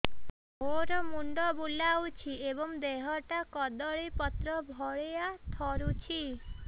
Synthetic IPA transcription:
ɦoɾɔmuɳɖɔbulawt͡ʃʰiebɔŋd̪eɦɔʈakɔd̪ɔɭipɔt̪ɾɔbʱɔɭejat̪ʰɔɾut͡ʃʰi

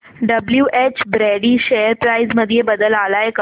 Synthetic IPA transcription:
ɖəbljuːʔet͡ɕbɾeɽiːɕeəɾpɾaizməd̪ʱjebəd̪əlalaek

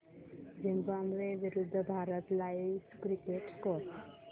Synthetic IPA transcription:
zimbamɾebiɾud̪ʱːəbʱaɾʌt̪lajskɾikeʈkos

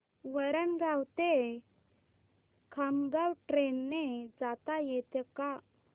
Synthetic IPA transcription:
ʋəɾənɡʱawt̪e | kʰəmɡawʈɾenːed͡zat̪ajet̪eka

